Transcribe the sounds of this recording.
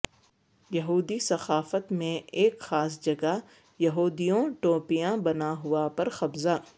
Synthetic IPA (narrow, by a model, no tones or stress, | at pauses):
jɐɦuːd̪isɐxaːfət̪mẽeːkxaːs̬d͡ʒɐɡa | jɐɦuːd̪ijõʈoːpijãbɐnaɦʊapɐɾxɐbza